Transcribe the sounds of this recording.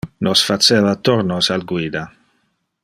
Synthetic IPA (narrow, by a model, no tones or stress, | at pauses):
nosfat͡ʃeːvat̪oɾnosalɡwiːd̪a